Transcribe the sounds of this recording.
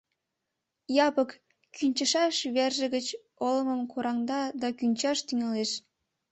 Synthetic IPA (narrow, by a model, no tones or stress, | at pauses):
jɑpək | kʰynʲt͡ɕə̆ʃɑʃβerʒə̆ɣət͡ɕ | olə̆məmkuɾʔɑŋd̪ɑd̪ɑkynʲt͡ɕɑʃt̪yŋɑleʃ